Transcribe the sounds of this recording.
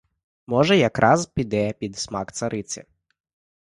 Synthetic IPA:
mɔʒɛjɐkɾʔɑzpʲid̪ɛpʲid̪smɑkt̪sɐɾɪt͡sʲɐ̰

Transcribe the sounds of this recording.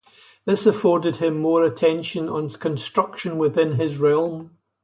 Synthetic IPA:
ðɪsəfɔɹdɪd̚ɪ̃mːɔɹətʰɛ̃nʃə̃nə̃nkʰə̃nstɹ̥ʌkʃə̃nwɪðɪ̃nɪzɹɛlˠm

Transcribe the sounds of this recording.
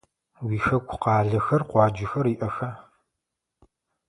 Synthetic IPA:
wiːxɐkʷʰʊqɑːɮɐxɐrqʷɑːd͡ʒɪxɐriːʔɐxɐ

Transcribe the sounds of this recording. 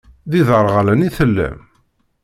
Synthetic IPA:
ðiðəɾˤʁalæniθəlːæ̰m

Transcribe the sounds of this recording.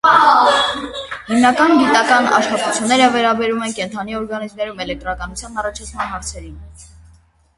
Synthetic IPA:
himnɑkɑnɡit̪ɑkɑnɑ̰ʃχɑt̪ut͡sʰjunːɛɾəvɛɾɑbɛɾumɛnkɛnt̪ʰɑniɔɾɡɑnizmɛɾumɛlɛk̚t̪ɾɑkɑnut͡sʰjɑnːɑrɑt͡ʃʰɑt͡sʰmɑnɦɑɾt͡sʰɛɾin

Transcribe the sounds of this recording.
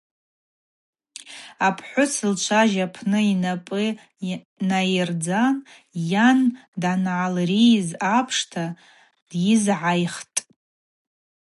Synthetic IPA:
apʰħʷʊsɨlt͡ʃʷʰaʒapʰnɨinapʼɨ | najɪrd͡zan | jandanʕalrizapʰʂtʰa | d̥jɪzʕajχtʼ

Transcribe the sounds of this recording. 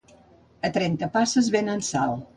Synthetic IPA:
ət̪ɾɛnt̪əpasəzβenənsalˠ

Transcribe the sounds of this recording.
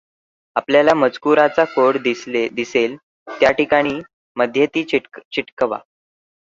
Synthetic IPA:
apljalaməd͡zkuɾat͡sakoɽd̪ised̪isel | t̪jaʈikaɽ̃iː | məd̪ʱjət̪iːt͡ɕiʈkəʋa̰

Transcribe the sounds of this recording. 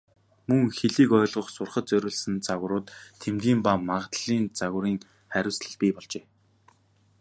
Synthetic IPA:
mɵŋxeɮiːkɔːɮʁə̆χsʊrχə̆t̪̚t͡sœɾʲʊːɮsɘ̆nt͡saɣ̆ɾʊːt̪t̪ʰːemt̪ɡʲiːmpamaʁt̪ɮiːnt͡saɣ̆ɾiːŋ | χæɾʲʊ̆ːsɮə̆ɮpʲiːpɔɮt͡ɕeː

